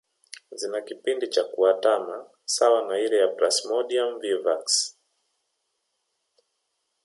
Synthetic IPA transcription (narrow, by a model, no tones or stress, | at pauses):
zinakipindit͡ʃakuatama | sawanaiɾɛjapɾasmɔɗiamvivaks